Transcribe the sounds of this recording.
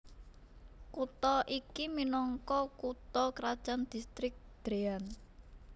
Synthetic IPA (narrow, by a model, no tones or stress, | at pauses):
kut̪ɔʔikiminɔŋkɔkut̪ɔkɾad̥ʒ̥and̪̥i̤st̪ɾɪk̚d̪̥ɾean